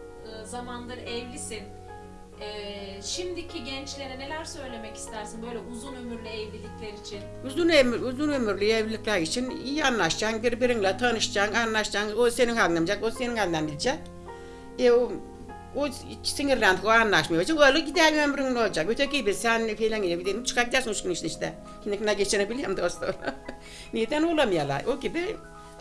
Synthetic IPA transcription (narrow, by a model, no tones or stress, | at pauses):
ɯzamanlˠɯɾɛvlʲisin | ɛʃimd̪icʰiɟɛnt͡ʃlʲe̞ɾɛne̞lʲæɾsø̞jlʲe̞mɛci̥st̪ʰæɾsinbø̞jlʲɛuzunømyɾlʲɛɛvlʲilʲiclʲeɾit͡ʃʰinuzunemuzunømyɾlʲyjɛvlʲilʲiklˠaɾit͡ʃʰinijianlˠaʃd͡ʒanbiɾbiɾiŋlˠat̪ʰanɯʃd͡ʒananlˠaʃd͡ʒanose̞ninɦanˠamd͡ʒakoseninanʲnd̪ænbilʲid͡ʒɛk | e | o | siŋiɾlʲænt̪ʰɨkoanːaʃmajod͡ʒaalɯɡʲid̪ælømɾiŋlold͡ʒakøt̪ʰøkibisænfejlæŋɡelebid̪ent͡ʃʰɨ̥kʰakʲid̪æsuŋuʃkunit͡ʃʰiniʃt̪æ̰ | hiniknaɡʲet͡ʃʰinɛbilʲjɛmd̪ost̪oɾa | nijed̪ænolˠamijalˠa̰ʔoɡʲibi